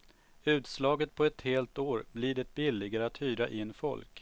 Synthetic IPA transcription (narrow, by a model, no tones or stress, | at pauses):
ʉ̟ːt̪slɑːɡət̪̚pʰɔɛt̪heːlt̪oːɾblɪɖɛt̪̚bɪlːɪɡaɾəat̪hyːɾa̰ʔɪnːfɔ̰lk